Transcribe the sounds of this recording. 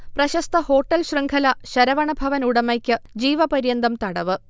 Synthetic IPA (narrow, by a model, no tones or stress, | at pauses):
prɐɕɐst̪ʰɐho̞ːʈːɐlɕrɨŋɡʰɐlɐɕɐɾɐʋɐɳɐbʱɐʋɐnuɽɐmɐjkʲːɨd͡ʑiːʋɐpɐɾjɐnd̪ɐmt̪ɐɽɐʋɨ